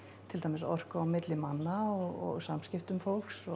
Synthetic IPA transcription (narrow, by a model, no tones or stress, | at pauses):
t̪ʰɪlt̪ajmɪsɔ̰r̥kaaːwmɪt̪lɪmanːaɔɣɔ̰ɣsamscɪft̪ʏmfowlksɔ